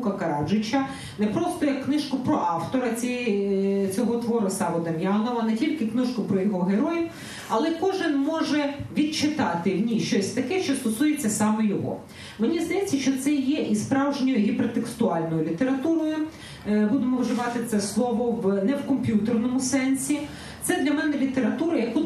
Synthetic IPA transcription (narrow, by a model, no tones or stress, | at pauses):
kɐkɐɾɑd͡ʒɪt͡ʃʲɐ | nɛpɾɔst̪ɔjɐkːnɪʃkʊpɾɔʔɑwt̪ɔɾɐt͡sʲi | t͡sʲɔɦɔt̪ʋɔɾʊsɑʋɔd̪ɐmʲjɑnɔʋɐnɛtʲilʲkɪknɪʃkʊpɾɔjɔɦɔɦeɾɔjɪ | ɐlˠɛkɔʒɪnmɔʒɛʋʲid̪̚t͡ʃɪt̪ɑt̪ɪʋnʲiʃt͡ʃɔsʲt̪ɐkɛʃt͡ʃɔst̪ɔsujet͡sʲːɐsɑmejɔɦɔ̰ | menʲizd̪ɐjɛt͡sʲːɐʃt͡ʃɔt̪sɛjɛʔispɾɑwʒnʲɔjʊɦipeɾɔt̪ekst̪ʊɑlʲnɔjʊlʲit̪eɾɐt̪uɾɔjʊ | bud̪emɔwʒɪʋɑt̪ɪt̪sɛslˠɔʋɔʋnɛwkɔmpʲjut̪ernɔmʊsɛnsʲi | t̪sɛd̪lʲɐmɛnɛlʲit̪eɾɐt̪uɾɐjɐku